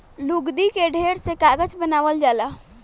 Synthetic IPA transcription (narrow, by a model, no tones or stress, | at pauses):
luɡd̪ikeɖʱeːɾsekaːɡət͡ʃbənaːʋəld͡ʒaːla